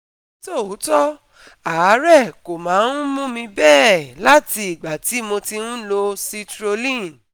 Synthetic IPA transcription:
to˦˨u˨˦tɔ˦ | a˨˦ɾɛ˦˨ko˨mãː˨˦n̩˦mũ˦mĩ˧bɛː˦˨la˦ti˧i˨ɡ͡ba˨ti˨˦mõ˧ti˧nũ˦lo˧si˦tɾo˧lĩ˦˨

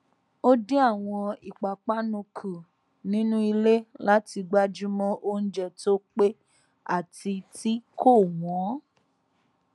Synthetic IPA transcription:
o˦di˦a˦˨w̃ɔ̃˧i˨k͡pa˨k͡pa˦nũ˧kʰu˨ | nĩ˦nũ˦i˧le˦la˦ti˧ɡ͡ba˦d͡ʒu˦mɔ̃˦ʔo˦n̩˦d͡ʒɛ˦˨to˦k͡pe˦ | a̰˦˨ti˧ti˦ko˦˨wɔ̃˨˦

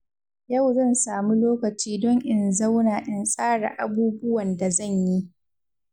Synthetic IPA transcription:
jɐ˦˨wzɐ˦˨nsaː˨mu˦loː˦kɐ˨t͡ʃiː˦dɔ˦ŋʔɪ˨nza˦wnaː˨ʔɪ˦nsʼaː˦ɽa̰˨ʔa˨buː˦bʊ˦wɐ˨nda˨zɐ˦˨ɲji˦

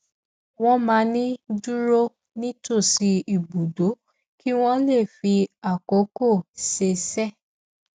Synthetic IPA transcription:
w̃ɔ̃˦mãː˧˦nĩ˦du˦ɾo˦ | nĩ˦to˦˨si˧˦i˨bu˨do˨˦ | ki˦w̃ɔ̃˦le˦˨fi˧a˨ko˨˦ko˦˨se˧sɛ˦˨

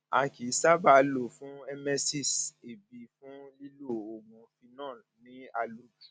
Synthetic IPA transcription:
a̰˧ki˨˦sa˦ba˦˨lo˨fũ˦ɛ˧mɛ˧si˦˨se˨bi˨fũ˦li˦lo˦˨o˨mɔ̃˨fi˧nã˦˨ | nĩ˦a˧lu˨˦bu˨

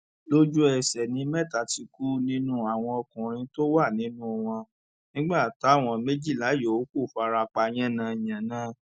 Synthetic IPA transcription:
lo˦d͡ʒu˦ɛ˨sɛ˨nĩ˨˦mɛ˦˨ta˨ti˧ku˦nĩ˦nũ˦a˨w̃ɔ̃˧ɔ˧kũ˨ɾ̃ĩ˧to˦wa˦˨nĩ˨˦nũ˦˨w̃ɔ̃˧ | nĩ˦ɡ͡ba˦˨ta˨˦˨w̃ɔ̃˧me˦d͡ʒi˦˨la˨˦jo˨o˦ku˦˨fa˧ɾa˧k͡pa˧j̃ɛ̃˦nã˨˧˨jã˨nã˨˦

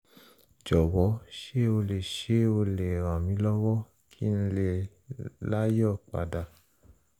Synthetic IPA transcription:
d͡ʒɔ˨wɔ˨˦ʃe˦o˧le˨ʃe˦o˧le˨ɾã˨mĩ˨˦lɔ˦wɔ˦ | kʰi˦n̩˧˦le˦˨ | la˦jɔ˦˨k͡pa̰˨da˨

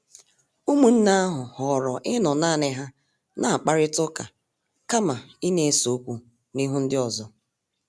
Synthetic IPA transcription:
u˦mu˨n̩˦na˦ɦʊ˨hɔ˨ɾɔ˨ʔɪ˦nɔ˨naː˦˨nɪ˦ɦa˦ | na˨a˨k͡pa˦ɾɪ˦tʊ˦ka˨ | ka˦ma˨i˦ne˨˦so˨˦kʷu˦ | ni˦ɦu˦n̩˦dɪ˦ɔ˨zɔ˦

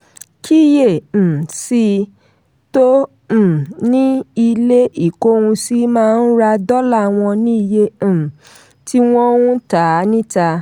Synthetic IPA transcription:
kʰi˦˨˦jẽ˦˨si˧ | tõ˦˨ | nĩ˦i˧le˦i˦˨ko˦˧wũ˧si˦mãː˦˧n̩˦ɾa˧dɔ˦la˦˨w̃ɔ̃˧nĩ˦i˧jẽ˧˨ | ti˦w̃ɔ̃˦wũ˦ta˨nĩ˦ta˧

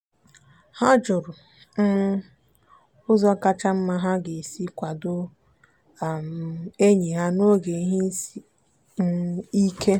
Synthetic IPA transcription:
ha˦d͡ʒʊ˨ɾʊ˨ | n̩˦ | ʊ˦zɔ˦ka˦t͡ʃa˦m̩˦ma˦ɦa˦ɡe˨si˦kʷa˨dʊ˦˨ | m˨e˦ɲi˨ɦa˦no˦ɡe˨i˦ɦi˦n̩˦si˨˦ | i˦kʰe˦

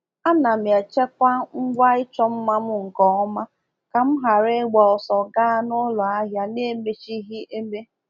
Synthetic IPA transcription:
a˦na˨mja˨t͡ʃe˦kʷa˦ŋ͡m̩˦ɡ͡bʷa˦ɪ˦t͡ʃɔ˦m̩˦ma˦m̩˦ŋ̩˨kɔ˨ɔ˦ma˦ | ka˨m̩˦ɦa˨ɾe˦ɡ͡bɔ˨ɔ˨sɔ˨ɡa˦a˦nʊ˦lɔ˨a˦ɦja˦ne˦me˦t͡ʃi˦ɦi˦ʔe˦me˦

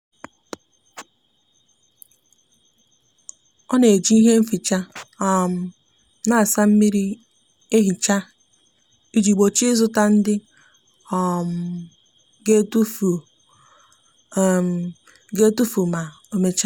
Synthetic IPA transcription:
ɔ˦ne˨d͡ʒi˦i˦ɦe˦m̩˦fi˨t͡ʃa˦ɔ˨m̩˨ | na˦˨sa˦m̩˦mi˦ɾi˦ | e˦ɦi˨t͡ʃa˦ | i˦d͡ʒi˨ɡ͡bo˨t͡ʃi˦zʊ˦ta˦n̩˦dɪ˦ | ɔ˨m˨ | ɡe˦tu˦˨ | ɡe˦tu˦fu˨ma˨ | o˨me˦t͡ʃa˦

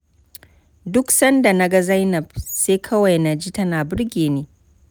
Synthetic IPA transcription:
dʊ˦ksɐ˦nda˨na˦ɡa˦za˦jnɐ˨b̚seː˦kʰɐ˦wa˨jna˨d͡ʒiː˦tɐ˦naː˨bɪ˦ɽɡʲeː˨neː˦

